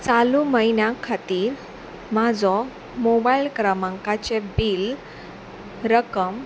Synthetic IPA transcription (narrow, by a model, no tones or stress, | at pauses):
t͡saluməinjãkʰat̪iːɾ | mad͡zɔ | mobailkɾəmãŋkat͡ɕebil | ɾəkəm